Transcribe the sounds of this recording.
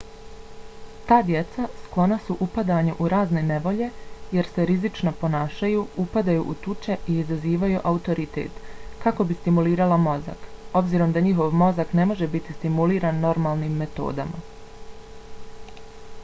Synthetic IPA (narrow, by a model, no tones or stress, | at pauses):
t̪aːd̪je̞t̪sasklˠo̞nasuʔupad̪aːɲuʔuɾaːzne̞ne̞ʋo̞ʎe̞je̞ɾse̞ɾizit͡ʃno̞po̞naːʃajuːupad̪ajṵʔṵt̪ut͡ʃe̞iiːzaziːʋajuʔaut̪o̞ɾit̪e̞̰ːt̪kako̞bist̪imuliːɾalamo̞za̰ko̞bziːɾo̞md̪aɲixo̞ʋmo̞zakne̞mo̞ʒe̞bit̪ist̪imuliːɾaːnːo̞ɾmaːlˠniːmːe̞t̪o̞̰ːd̪ama̰